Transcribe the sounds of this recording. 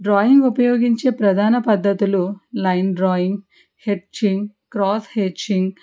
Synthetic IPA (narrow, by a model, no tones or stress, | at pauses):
ɖɾaːjiŋɡupɐjoːɡiɲt͡ʃe̞ːpɾɐd̪ʱaːnɐpɐd̪ːɐt̪ululɐjnɖɾɔːjiŋɡ | heʈt͡ʃiŋɡkɾɔːt̪ʰhet͡ʃiŋɡ